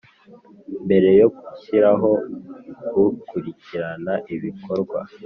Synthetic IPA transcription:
mbe̞ɾe̞jo̞kuciɾaɦo̞ | ɡukuɾiciɾanaʔiβikʰo̞ɾɡwa̰

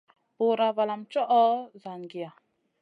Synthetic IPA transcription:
boɾavalamt͡ʃɔʔɔzanɡija

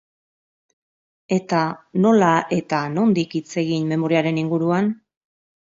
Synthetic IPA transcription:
e̞t̪ano̞laʔe̞t̪ano̞nd̪ikit͡se̞ɣinme̞mo̞ɾiaɾe̞niŋɡuɾuan

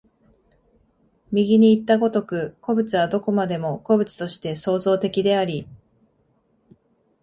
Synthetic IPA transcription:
mʲiɡʲiɲ̟iːt̪ːaɡo̞t̪o̞kɯ̟ko̞bɯ̟t͡sɨβad̪o̞ko̞mad̪e̞mo̞ko̞bɯ̟t͡sɨ̥t̪o̞ɕi̥t̪e̞so̞ːzo̞ːt̪e̞kʲid̪e̞aɾʲi

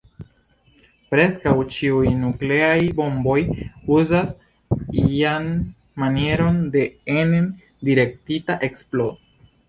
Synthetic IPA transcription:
pɾe̞skawt͡ʃiujnukle̞ajbo̞mbo̞juzas | ian | manie̞ɾo̞nde̞enen | diɾe̞ktitaʔe̞ksplo̞

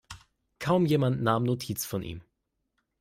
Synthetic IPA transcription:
kʰaʊmjeːmantnaːmnotʰiːt͡sfɔnʔḭːm

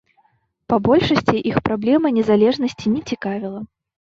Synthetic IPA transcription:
pabɔlʲʂɐsʲt͡sʲiʔixpɾablʲɛmɐnʲɛzalʲɛʐnɐsʲt͡sʲinʲɛt͡sʲikavʲilˠɐ

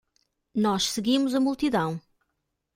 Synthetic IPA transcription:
nɔʃsɨɣimuzɐmulˠt̪iðɐ̃w̃

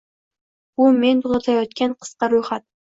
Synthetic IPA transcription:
ument̪ʰʊzˠɑt̪ʰajɒt̪kʲanqʰɨ̥sqɑɾojχat̪̚

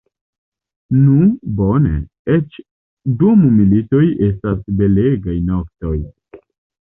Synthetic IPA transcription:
nubonḛ | et͡ʃ | dumumilito̞je̞stasbe̞leɡajnokto̞j

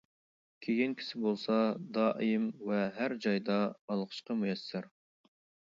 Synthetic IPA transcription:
kʲʰeɡʲɛnkʲʰi̥sɪbolˠsɑd̪ɑːʔijɨmvɛɦæɾd͡ʒɑjd̪ɑbɑlˠqʰə̥ʃqɑmujɛsːɪɾ

